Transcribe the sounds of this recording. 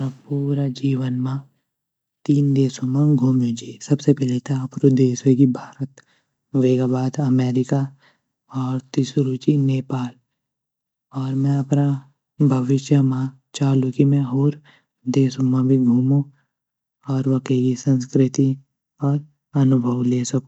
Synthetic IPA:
ɾapuːɾad͡ʒiːʋənmã | t̪iːnd̪eːsõmãɡʱuːmjõd͡ʒesɐbsepɛːlet̪ʰaəpɾod̪eːsekibʱaːɾət̪ | ʋeːɡabaːd̪ɐmɛːɾɪka | ɔːɾt̪ɪsɾuːt͡ʃineːpaːl | ɔːɾmɛ̃ɐpna | bʱəʋɪʃjəmã | t͡ʃaːlũkimɛ̃ɦoːɾ | d̪eːsõmãbʱiɡʱuːmõ | ɔːɾʋɐkekisə̃nskɾɪt̪i | ɔːɾ | ɐnʊbʱəʋleːsɐkõ

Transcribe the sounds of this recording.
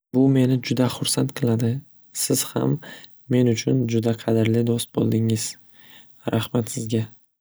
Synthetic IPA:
bʊme̞nɪd͡ʒʊd̪aχʊɾsant̪qʰɨlˠad̪ɪ | sɪz̥ha̰mː | e̞nʊt͡ʃʰʊnd͡ʒʊd̪aqʰɑd̪ɪɾlɪd̪ost̪̚bo̰lˠd̪ɪŋɪz̥ | ɾahmat̪sɪzɡʲa

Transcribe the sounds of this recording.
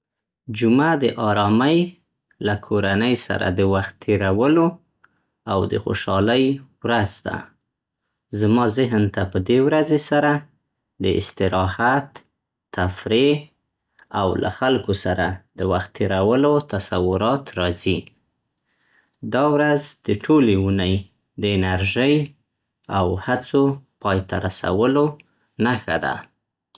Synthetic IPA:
d͡ʒumad̪əʔɑɾɑməj | lakʰoɾanəjsa̰ɾa̰d̪əwaxt̪ʰːeɾawəlo | awd̪ə̰xo̰ʃɑləjwɾazd̪a̰ | zamɑzɪɦnt̪apəd̪ewɾazesaɾa | d̪əʔɪ̰st̪ɪɾɑhat̪ː | afɾe | awlʔa̰xalkosaɾad̪̥əwaxt̪ːeɾawəlot̪asawʊɾɑt̪ɾɑzi | d̪ɑwɾazd̪̥əʈʰoleunəj | d̪əɪnaɾʒəj | awhat͡sopɑjt̪a̰ɾasa̰wəlo | naxad̪a̰

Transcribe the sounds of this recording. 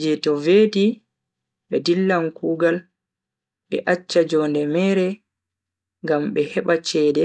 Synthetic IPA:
d͡ʒɛtɔveːdi | ɓɛdilːamkʰuːɡal | ɓɛ̰ʔat͡ʃːad͡ʒɔːndɛmɛːɾɛ | ŋɡamɓɛhɛɓat͡ʃɛːdɛ

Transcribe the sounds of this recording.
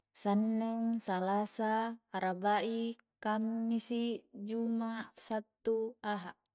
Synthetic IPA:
sanːɛŋsalasaːɾabaʔikamnisid͡ʒumasat̪ːuaɦaʔ

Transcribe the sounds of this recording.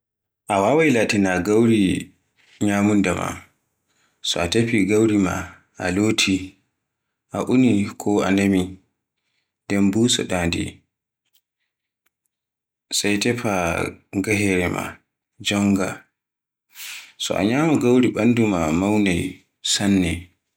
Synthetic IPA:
ʔawawajlaːtinaɡawɾi | ɲamundama̰ | sɔatepiɡawɾima̰ | ʔalotʰi | ʔaʔunikʰɔa̰nemi | dɛnbuːsɔ̰ɗaːndḭ | sajtɛpaɡaɦɛɾɛma̰ | d͡ʒɔŋɡa | sɔ̰ʔa̰ɲaːmaɡawɾiɓandumamawnaj | sanːɛ

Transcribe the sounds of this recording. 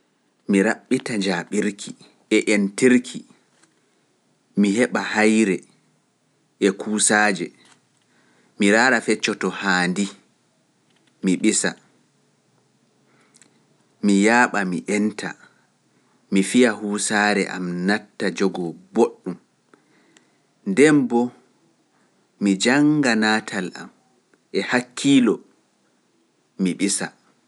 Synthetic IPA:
miɾaɓːitad͡ʒaɓiɾkʰi | ɛʔentiɾkʰi | miɦɛɓahajɾɛ | ʔɛkʰuːsaːd͡ʒɛ | miɾaːɾafɛt͡ʃːɔtɔhaːndi | miɓisa̰ | mijaːɓamiʔɛntʰa̰ | mifiahuːsaɾɛ̰ʔa̰mnatːad͡ʒɔɡɔboɗːum | ndɛmbɔ | mid͡ʒaŋɡanaːtʰalʔa̰m | ʔɛhakʰːilɔ | miɓisa

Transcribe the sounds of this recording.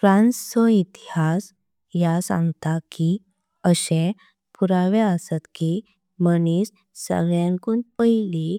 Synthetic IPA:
fɾãnssɔit̪ihas | jasã̰ŋɡt̪aki | əɕẽ | puɾaʋeəsət̪ki | mənis | sə̰ɡɭjãŋkuːnpəɦili

